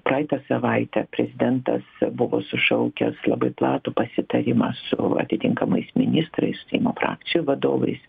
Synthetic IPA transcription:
prɑːjɪt̪ɐsɐʋɐɪt̪ʲɛpʲɾʲɛzʲɪd̪ʲɛnt̪ɐsbʊʋo̰ːsʊʃɐʊkʲɛ̰slˠɐbɐɪplˠɑːt̪ʊpɐsʲɪt̪ɐɾʲɪmɑsʊ̰ɐ̰t̪ʲɪt̪ʲɪŋkɐmɐɪsmʲɪnʲɪst̪ɾɐɪssʊ̥sʲɛɪmoːfɾɑ̰ːk̚t͡sʲɪjuʋɐd̪o̰ːʋɐ̰ɪs

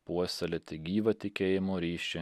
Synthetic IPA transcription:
puɔsʲɛlʲɪt̪ʲɪɡʲiːʋɐt̪ʲɪkʲeːjɪmoːɾʲiːʃʲɪ

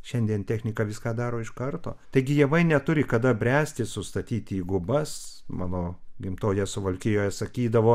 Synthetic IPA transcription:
ʃʲɛnʲd̪ʲiɛnt̪ʲæːxʲnʲɪkɑʋʲɪskɑːd̪ɑːɾoːɪʃkɐrt̪o̰ːt̪ɐɪɡʲɪjɛʋɐɪnʲɛt̪ʊɾʲɪkɐd̪ɐbʲɾʲæːsʲt̪ʲɪsʊst̪ɐt̪ʲiːt̪ʲiːɡʊbɐsmɑ̰ːnoːɡʲɪmt̪oːjɛsʊʋɐlʲkʲɪjoːjɛsɐkʲiːd̪ɐʋoː

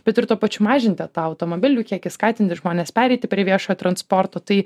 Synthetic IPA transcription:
b̥ʲɛt̪ɪɾt̪uɔpɐt͡ʃʲʊmɑːʒʲɪnʲt̪ʲɪt̪ɑːɐʊt̪oːmoːbʲɪlʲuːkʲiɛkʲɪskɑːt̪ʲɪnʲt̪ʲɪʒmoːnʲeːspʲæːɾʲɛɪt̪ʲɪpʲɾʲiɛʋʲiɛʃoːjoːt̪ɾɐnspoːɾt̪oːt̪ɐɪ

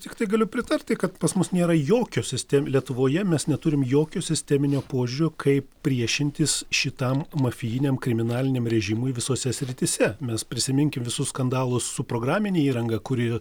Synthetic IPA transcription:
t̪ʲɪkt̪ɐɪɡɐlʲʊpʲɾʲɪt̪ɐɾʲt̪ʲɪkɐt̪pɐsmʊsnʲeːɾɐjoːkʲoːsʲɪsʲt̪ʲɛmlʲiɛt̪ʊʋoːjɛmʲɛsnʲɛt̪ʊɾʲɪmjoːkʲoːsʲɪsʲt̪ʲɛmʲɪnʲoːpoːʒʲʊɾʲoːkʰɐɪppʲɾʲiɛʃʲɪnʲt̪ʲɪsʃʲɪt̪ɐmmɐfʲɪjɪnʲemkɾʲɪmʲɪnɑːlʲɪnʲeːmɾʲɛʒʲɪmʊɪʋʲɪsoːsʲɛsʲɾʲɪt̪ʲisʲɛmʲɛspʲɾʲɪsʲɪmʲɪŋʲkʲɪmʋʲɪsʊsskɐnd̪ɑːlˠʊssʊpɾoːɡɾɑːmʲɪnʲeːiːɾɐŋɡɐkʊɾʲɪ

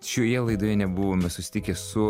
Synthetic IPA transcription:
ʃʲoːjɛlˠɐɪd̪oːjɛnʲɛbʊʋoːmʲɛsʊsʲɪ̥t̪ʲɪkʲeːsʊ

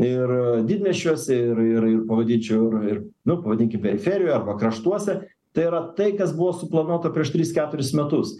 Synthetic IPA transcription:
ɪrd̪ʲiːd̪ʲmʲɛʃʲuɔsʲɛɪrɪrɪrpɐʋɐd̪ʲiːnʲt͡ʃʲɛʊɪrɪrnʊpɐʋɐd̪ʲiːŋʲkʲɪmpʲɛɾʲɪfʲeɾʲɪjoːjɐrbɐkɾɐʃt̪uɔsʲɛ | t̪ɐɪɪɾɐt̪ɐɪkɐsbʊʋoːsʊplˠɐnuɔt̪ɐpʲɾʲiɛʃt̪ʲɾʲiskʲæːt̪ʊɾʲɪsmʲɛt̪ʊs

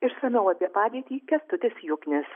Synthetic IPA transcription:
ɪʃsɐnɐʊɐpʲiɛpɑːd̪ʲiɛt̪ʲiːkʲɛst̪ʊt̪ʲɪsʲjʊkʲnʲɪs

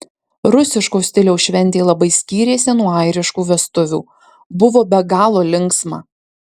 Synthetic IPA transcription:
ɾʊsʲɪʃkoːsʲt̪ʲɪlʲɛʊʃʲʋʲɛnʲt̪ʲeːlˠɐbɐɪsʲkʲiːɾʲeːsʲɪnuɔɐɪɾʲɪʃkuːʋʲɛst̪ʊʋʲuː | bʊʋoːbʲɛɡɑːlˠoːlʲɪŋksmɑ̰ː

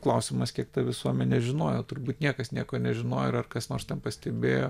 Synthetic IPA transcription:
klˠɐʊsʲɪmɐskʲiɛkt̪ɐʋʲɪsuɔmʲɛnʲɛʒʲɪnoːjoːt̪ʊɾbuːt̪nʲiɛkɐsnʲiɛkoːnʲɛʒʲɪnoːjoɪɾɐrkɐsnoːɾst̪ʲɛnpɐsʲt̪ʲɛbʲeːjoː

